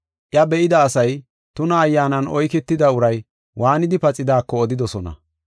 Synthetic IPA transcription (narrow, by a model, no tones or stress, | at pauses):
ʔjɐbɛɪd̪ɐːsɐj | t̪ʊnɐːjːaːnɐnʔɔjkɛt̪ːɪd̪ɐʊɾɐj | wʔaːnɪd̪ɪpɐt͡sʼɪd̪aːkːɔːd̪ɪd̪ɔsɔnɐ̰